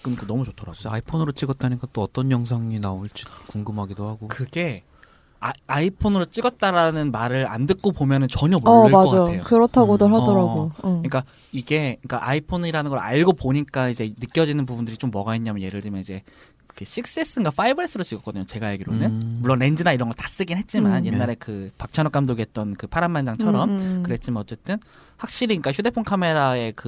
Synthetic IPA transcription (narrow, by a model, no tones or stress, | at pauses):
k͈ɯnkɯnʌmut͡ɕotʰʌɾasaipʰonɯɾot͡ɕ͈iɡʌt̚t͈ʰaɲik͈at͈oʌt͈ʌnjʌŋsʰaŋinaoɭt͡ɕ͈i̥kuŋɡɯmɦaɡidohaɡokɯɡe̞ | aaipʰonɯɾot͡ɕ͈iɡʌt̚t͈aɾanɯnmaɾɯɾa̰ndɯk̚k͈opomjʌnɯnt͡ɕʌɲʌboaʌkd͡ʑajotʰːejokɯɾʌtʰaɡodoɦaʌɾaɡoɯɲik͈a | iɡe̞ɲik͈aʔaipʰoniɾanɯnɡʌɾa̰ɭɡopoɲik͈aid͡ʑe̞nɯk͈jʌd͡ʑinɯnp̬ubundɯɾit͡ɕ͈omːʌɡaɦenɲamʌnje̞ɾɯɭdɯmjʌnid͡ʑe̞ | kʰeɕʰik̚s͈es͈ɯnɡwafʰaibɯɾes͈ʰɯɾot͡ɕiɡʌk͈ʌdɯɲot͡ɕe̞ɡajeɡiɾonɯmuɭːonend͡ʑinaiɾʌŋɡʌɭtḁs͈ɯɡinɦe̞t̚t͡ɕ͈imanje̞nːaɾe̞kɯpak̚t͡ɕʰanok͈amdoɡiɦet̚t͈ʌnkɯpʰaɾamːand͡ʑaŋt͡ɕʰʌɾʌmkɯɾe̞t̚t͡ɕ͈imanʌtt͡ɕ͈e̞t͈ɯnɸwak̚ɕ͈iɾiɲik͈açjude̞pʰonkʰame̞ɾae̞kɯ